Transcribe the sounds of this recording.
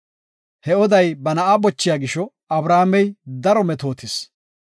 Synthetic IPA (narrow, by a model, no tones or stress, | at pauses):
hɛɔd̪ɐjbɐnɐʔabɔt͡ʃːɪjaːɡɪʃɔ | ɐbɾaːmɛjd̪ɐɾɔmɛt̪o̞ːt̪ɪs